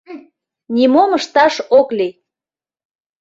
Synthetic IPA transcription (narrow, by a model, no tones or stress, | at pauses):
nʲimoməʃt̪ɑʃokli